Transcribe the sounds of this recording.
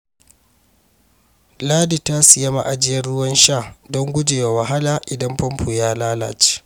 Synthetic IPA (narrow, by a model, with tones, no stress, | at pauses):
laː˦di˨ta˦sɪ˨ja˦ma̰˨ʔa˨d͡ʒɪ˦jɐ˦rɽʊ˦wɐ˦nʃaː˦˨dɔ˦ŋɡʷʊ˦d͡ʒeː˨wa˨wɐ˨ɦa˦laː˨ʔɪ˨dɐ˦mpɐ˦mpʰu˨jaː˦laː˦la̰ː˨t͡ʃe̥ː˦